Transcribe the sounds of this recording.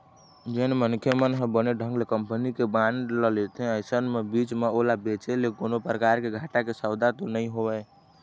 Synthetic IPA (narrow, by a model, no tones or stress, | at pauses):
d͡ʒənmənkʰjemənɦẽbəneɖʱə̃ŋɡlekəmpənikebãnɖləlet̪ʰɛ̃əɪsənmebit͡ʃmeolabet͡ʃelekonopɾəkaɾkeɡʱaʈakesəwd̪at̪onəĩɦobɛ